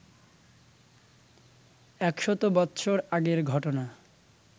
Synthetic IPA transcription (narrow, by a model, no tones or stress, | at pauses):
ɛkʃɔt̪obɔtːɕʰoɾaɡeɾɡʱɔʈona